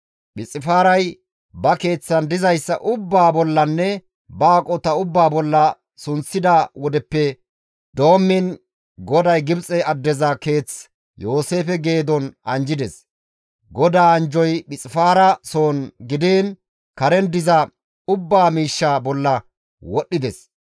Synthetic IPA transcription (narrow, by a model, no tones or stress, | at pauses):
ɓɪt͡sʼːɪfaːɾɐj | bɐke̞ːt͡sːɐnd̪ɪzɐjsːɐ̰ʔʊbːaːbɔlːɐnːɛ | baːkʼɔt̪ɐʊbːaːbɔlːɐ | sʊnt͡sːɪd̪aːwɔd̪ɛpːɛ | d̪o̞ːmːɪn | ɡɔd̪ɐjɡɪbt͡sʼɛɐd̪ːɛzɐke̞ːt͡s | jo̞ːse̞ːfɛɡe̞ːd̪ɔnɐnd͡ʒɪd̪ɛs | ɡɔd̪aːɐnd͡ʒɔjɓɪt͡sʼɪfaːɾɐsoːnɡɪd̪iːn | kɐɾɛnd̪ɪzɐ | ʊbːaːmiːʃːabɔlːɐ | wɔɗːɪd̪ɛs